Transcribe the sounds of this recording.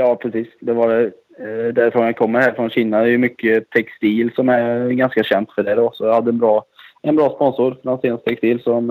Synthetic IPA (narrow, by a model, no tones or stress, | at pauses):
jɑːpʰɾɛsiːsd̪ɛvaɖɛ | d̪æɾfɾɔnakʰɔmːəɾhæːɾfɾɔnɕiːnad̪ɛjɵmʏkːət̪ʰɛkst̪iːlsɔmæɾɡanskaɕɛnt̪fœɖɛd̪ɔsɔjahad̪ːəɛnbɾɑːɛnbɾɑːspɔnsʊɾfɾanseːnst̪ʰɛkst̪iːlsɔm